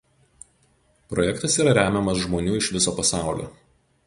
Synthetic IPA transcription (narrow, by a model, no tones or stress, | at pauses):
pɾɔjɛkt̪ɐsiːɾɐɾʲæːmʲɛmɐsʒmoːnʲuːɪʃʋʲɪsoːpɐsɑˑʊlʲo̰ː